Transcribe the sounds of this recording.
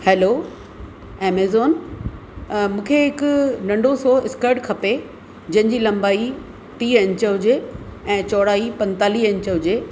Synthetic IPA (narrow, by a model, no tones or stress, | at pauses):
heːloː | eːmeːzoːn | mũːkʰeɦɪknɐ̃ɳɖʱosoːɪskəɾʈkʰɐpe | d͡ʑɐ̃ɦɪ̃ɲd͡ʑiːlɐ̃mbaːi | ʈiːɐ̃ɲt͡ɕəɦʊd͡ʑeɛ̃ːt͡ɕɔːɽaːipɐ̃nt̪aːliːɐ̃ɲt͡ɕəɦʊd͡ʑeː